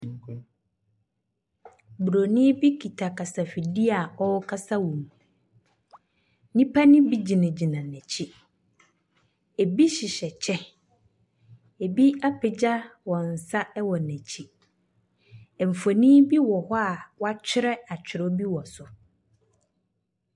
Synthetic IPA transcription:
bu˨ɾo˨nĩ˦bi˦kʰi˨tʰa˨kʰa˨sa˨fi˨di˦a˨ɔ˦wkʰa˦sa˦wũ˨m | nĩ˦pʰa˦nɪ̃˦bi˦d͡ʑi˨nã˨d͡ʑi˨nã˨nɛ̃˨t͡ɕʰi˦ | e˨bi˦ɕɪ˨ɕɛ˨t͡ɕʰɛ˦ | e˨bi˦a˦pʰɪ˨d͡ʑa˦wɔ̃˨n̩˨sa˦ɛ˦wɔ˨nɛ̃˨t͡ɕʰi˦ | ɛ˨m̩˨fo˨nĩ˦bi˦wɔ˨hɔ˦a˨wa˦t͡ɕʰᶣɪ˦ɾɛ˦a˨t͡ɕʰᶣɪ˨ɾɔ˦bi˦wɔ˨sʊ˨

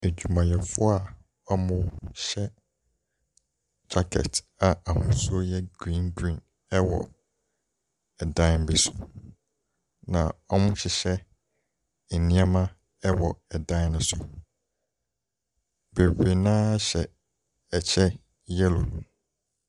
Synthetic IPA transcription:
e˨d͡ʑᶣu˨mã˨jɛ˨fʊ˦a˨ | ɔ˦mʊ̃˦ɕɛ˦ | d͡ʑa˦kʰɛ̰˨t | a˨a˨hʊ̃˦sʊ˦ɔ˦jɛ˦ɡɾĩ˦nɡɾĩ˦˨n | ɛ˦wɔ̰˨ | ɛ˨dã˦n˦be˦sʊ̥˨ | nã˨ɔ˦mʊ̃˦ɕɪ˨ɕɛ˦ | e˨nĩ˦a˦mã˦ | ɛ˦wɔ˨ɛ˨dã˦nʊ̃˦sʊ˨ | be˨be˨nãː˦ɕɛ˨ | ɛ˨t͡ɕʰɛ˦ | jɛ˦lo̰˨

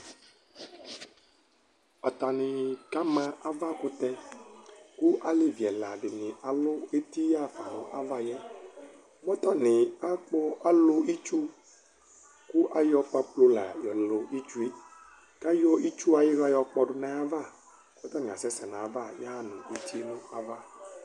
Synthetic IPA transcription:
ɔ˨t̪a˨nɪ̃˨ka˦mã˨a˦va˦kʊ˦t̪ɛ˦ | ku˦ʔa˨le˦vi˨ɛ˨la˨ɖɪ˨nɪ̃˨ʔa˨lʊ˦e˦t̪i˦ja˦˨fa˨ɔ˨ʔa˦va˦jɛ˦ | mɔ˦t̪ɔ˦nɪ̃˨a˦k͡pɔ˦a˦lʊ˦i˦t͡ʃu˦ | ku˦ʔa˦jɔ˦pa˦plo˦la̰˨jɔ˨lo˨i˦t͡ʃu˦e˦ | ka˦jɔ˦i˦t͡ʃu˦a˨ji˦ɣa˦jɔ˨k͡pɔ˨ɖʊ˨nã˨˦a˦va˦˨˦ | ɔ˦t̪ɔ˦nĩ˨a̰˨sɛ˦sɛ˨nã˨a˨˦va˦˨ja˦a˦nũ˨e˦t̪i˦e˦nũ˦a˦va˦

